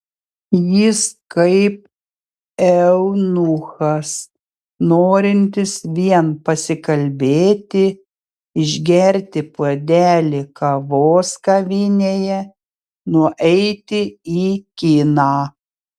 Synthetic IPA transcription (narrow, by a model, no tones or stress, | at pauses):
jɪskɐɪp̚ | ɛʊnʊxɐs | noːɾʲɪnʲt̪ʲɪsʋʲiɛnpɐsʲɪkɐlʲbʲeːt̪ʲɪ | ɪʒʲɡʲɛɾʲt̪ʲɪpuɔd̪ʲæːlʲɪkɐʋoːskɐʋʲɪnʲeːjɛ | nʊɔʔɛɪt̪ʲɪiːkʲɪnɑː